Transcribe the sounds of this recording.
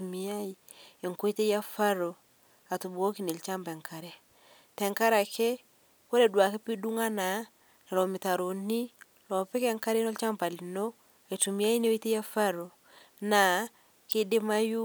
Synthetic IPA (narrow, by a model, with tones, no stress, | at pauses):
u˨mi˦a˦i˨ | e˨ŋko˦i˦te˦ja˦fa˦ɾo˨ | a˨tu˨bo˦ki˨ne˨lt͡ʃa˦mpɛ˨ŋkʰa˨ɾɛ˦ | tɛ˨ŋka˦ɾa˨kɛ˦ | ko˦le˨dwa˨ke˦pi˦du˦ŋa˦na˨˦ | na˨lɔ˨mɪ˨ta˨ɾo˨ni˦ | lɔ˨pɛ˦kɛ˦ŋka˦ɾe˦nɔ˦lt͡ʃa˦mpa˨li˨no˦ | e˨tu˨mi˦a˦ji˦ne˦o˦i˦te˦ja˦fa˦ɾo˨ | na˨ | kɪ˦dɪ˦ma˦ju˦